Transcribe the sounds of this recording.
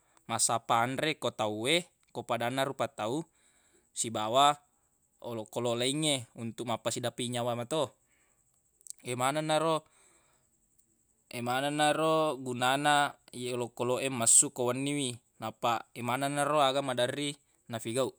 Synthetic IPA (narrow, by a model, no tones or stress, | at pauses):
masapaːnɾekot̪aue | kopadanːaɾupat̪au | sibawa | o̰lokːololaiŋːeunt̪uk̚mapːasidapiɲawamat̪o | emananːaɾo | emananːaɾoɡunanaijeolokːoloʔemːasːukowanːiwi | napaemananːaɾoaɡamadarːi | nafiɡauʔ